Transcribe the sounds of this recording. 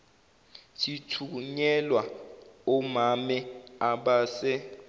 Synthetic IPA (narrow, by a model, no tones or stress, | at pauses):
tʰitʰuɲɛlwaɔmamɛaɓaːsɛ